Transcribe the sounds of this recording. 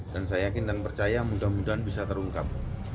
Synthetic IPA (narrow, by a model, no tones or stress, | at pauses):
d̥ansajajakɪndanpərt͡ʃajamudahmudaɦanbisat̪əɾuŋkap̚